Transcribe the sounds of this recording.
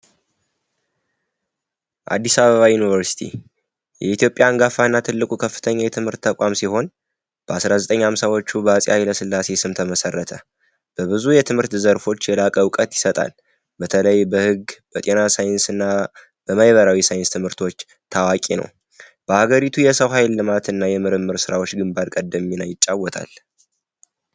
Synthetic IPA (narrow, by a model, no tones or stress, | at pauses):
ʔa̰d̪ːisaβəβajunivəɾsi̥t̪ʰḭ | jɛit̪ʰjo̞pʼjaŋɡafanːat̪ʰɨlːɨkʼukʰəfːɨ̥t̪ʰəɲːajɛt̪ʰɨmhɨɾt̪ʰːəkʼamsiho̞n | b̥əasɾazət̪ʼəɲːhamsawo̞t͡ʃːubəasʼjajləsɨlːase̞sɨmt̪ʰəməsərːət̪ʰə | b̥əβɨzujɛt̪ʰɨmhɨɾt̪zəɾfo̞t͡ʃːjɛlakʼəwkʼət̪jɪsət̪ʼa̰l | bət̪ʰələjbəhɨɡb̥ət̪ʼe̞nasajnsɨnːa | b̥əmajβəɾawisajɪnst̪ʰɨmhɨɾt̪ʰo̞t͡ʃː | t̪ʰawakʼinə̰w | b̥əhaɡəɾit̪ʰujɛsəwɦajlːɨmat̪ɨnːajɛmɨɾɨmːɨɾsɨɾawo̞t͡ʃːɡɨmbaɾkʼəd̪ːəmːinajɪt͡ʃʼːawːɔt̪ʰa̰l